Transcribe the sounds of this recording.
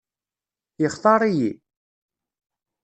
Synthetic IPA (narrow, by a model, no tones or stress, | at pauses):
jəχθɑɾˤiji